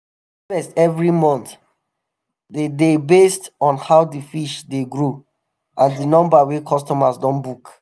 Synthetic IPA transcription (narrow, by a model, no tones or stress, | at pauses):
fɛstɛvɹimɔ̃nt̪ | dedebestɔ̃nhaʊdifiʃdeɡɹo | ʔãndinɔ̃mbawekʰɔstɔmasdɔ̃nbuk